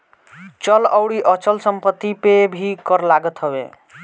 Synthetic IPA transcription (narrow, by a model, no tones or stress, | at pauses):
t͡ʃɔlɔwɽiʔɔt͡ʃəlsəmpət̪ːipebʱikɔɾlaɡət̪ɦɔbḛ